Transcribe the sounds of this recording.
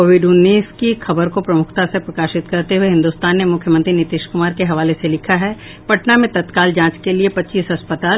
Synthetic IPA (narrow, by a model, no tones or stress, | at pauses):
koːʋɪɖʊnːiːskikʰɐbəɾkopɾɐmʊkʰt̪asepɾɐkaːʃɪt̪kɐɾt̪eɦuweɦɪ̃nd̪ʊst̪aːnːemʊkʰjəmə̃nt̪ɾinɪt̪ɪːʃkʊmaːɾkeɦɐʋaːleselɪkʰaɦɛ | pɐʈnamẽt̪ɐt̪kaːld͡ʒãːt͡ʃkeliepɐtːt͡ʃiːsɦɐspət̪aːl